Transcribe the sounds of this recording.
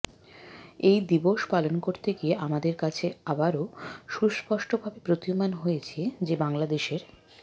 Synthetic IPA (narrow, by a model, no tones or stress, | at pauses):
ejd̪iboʃpalonkoɾt̪eɡieʔamad̪eɾkat͡ɕʰeabaɾoʃuspɔʃʈʰobʱabepɾot̪iomanɦojet͡ɕʰied͡ʑebaŋlad̪eʃeɾ